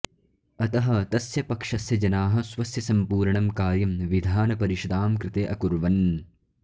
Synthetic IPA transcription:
ɐt̪ɐɦɐt̪ɐsjɐpɐkʂɐsjɐd͡ʒɐnaːɦɐ̆sʋɐsjɐsɐmpuːɾɳɐmkaːɾjɐmʋid̪ʱaːnɐpɐɾiʃɐd̪aːmkɾɪt̪eːʔɐkuɾʋɐn

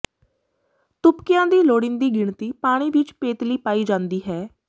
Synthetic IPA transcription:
t̪ʊpkɪjãːd̪iːloːɽɪnd̪iːɡɪɳt̪iːpaːɽ̃iːʋɪt͡ʃpeːt̪liːpaːiːd͡ʒãːnd̪iːɦɛː

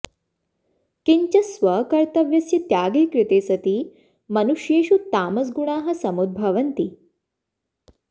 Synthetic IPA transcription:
kiɲt͡ɕɐsʋɐkɐɾt̪ɐʋjɐsjɐt̪jaːɡeːkɾit̪eːsɐt̪iː | mɐnuʂjeːʃut̪aːmɐs̬ɡuɳ̃aːɦɐ̆sɐmud̪̚bʱɐʋɐnt̪i

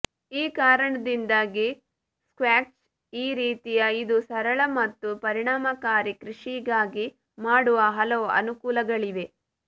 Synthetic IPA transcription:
iːkaːɾɐɳɐd̪ind̪aːɡi | skʋaːt͡ʃ | iːɾiːt̪ijɐid̪usɐɾɐɭɐmɐt̪ːupɐɾiɳaːmɐkaːɾikɾiʂiɡaːɡi | maːɽuʋɐɦɐlɐʋuɐ̰nukuːlɐɡɐɭiʋe̞

